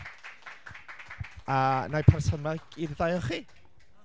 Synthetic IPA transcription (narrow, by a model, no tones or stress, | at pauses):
anajpʰarsəmaɡ̥iððajɔχiː